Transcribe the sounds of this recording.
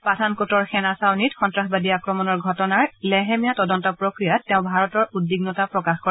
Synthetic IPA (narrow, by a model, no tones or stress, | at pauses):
patʰankotɔɹxɛnasawnitxɔntɹaxbadiakɹɔmɔnɔɹɡʱɔtɔnaɹlɛɦɛmijatɔdɔntɔpɹokɹijatːeʊ̃bʱaɹɔtɔɹudːiɡnɔtapɹɔkaxko